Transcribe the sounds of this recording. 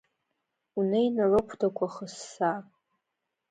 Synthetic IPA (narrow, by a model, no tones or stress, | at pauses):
unejnarɨkʷʰdʰakʷʰaχəsːa